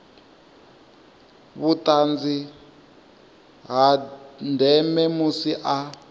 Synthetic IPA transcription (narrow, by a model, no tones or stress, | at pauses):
βutʼand͡zi | ɦandʱɛmɛmusiʔa